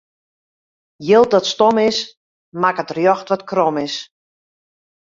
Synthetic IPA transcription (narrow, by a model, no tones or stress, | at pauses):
jɪlˠtdɔtstɔmɪs | makətrjɔxtʋɔtkrɔmɪs